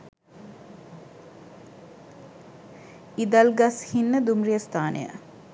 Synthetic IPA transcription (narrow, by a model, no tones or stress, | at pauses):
id̪alɡɐshinːəd̪umrijəst̪ʰaːnḛjə̰